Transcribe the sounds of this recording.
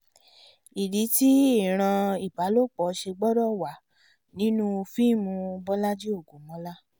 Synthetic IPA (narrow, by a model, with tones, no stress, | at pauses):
i˨di˨˦ti˦i˦˨ɾ̃ã˧i˨ba˨˦lo˦˨k͡pɔ˨˦ʃe˧ɡ͡bɔ˦ɾɔ˦˨wa˨ | nĩ˨˦nũ˦˧fi˦˨mũ˧bɔ˦la˦d͡ʒi˦o˦˨ɡũ˨mɔ̃˨˦la˦